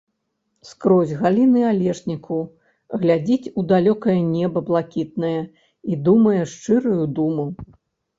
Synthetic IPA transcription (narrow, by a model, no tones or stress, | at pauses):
skɾɔzʲɣalʲinɨalʲɛʂnʲikʰu | ɣlʲad͡zʲit͡sʲud̪alʲɔkɐjɐnʲɛbɐblˠakʲit̪̚nɐjɛ | id̪umɐjɛʂt͡ʂɨɾujud̪umu